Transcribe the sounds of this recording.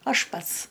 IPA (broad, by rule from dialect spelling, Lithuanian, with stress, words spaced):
ˈɐʃ ˈpɐts